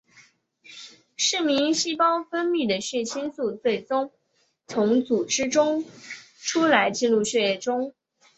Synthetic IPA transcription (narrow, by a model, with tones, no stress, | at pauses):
ʂɻ̩˥˩mi˧˥ŋɕi˥pɑ˥ʊfə˥nmy˥˩d̪ə˩ɕɥɛ˥˩t͡ɕʰi˥nsu˥˧t͡swe˥˩ɪt͡sʊ˥ŋ | t͡sʰʊ˧˥ŋt͡su˨˩ʈ͡ʂɻ̩˥ʈ͡ʂʊ˥ŋ | ʈ͡ʂʰu˥la˧˥ɪt͡ɕi˥˧nɻu˥˧ɕɥɛ˥˧jɛ˥˩ʈ͡ʂʊ˥ŋ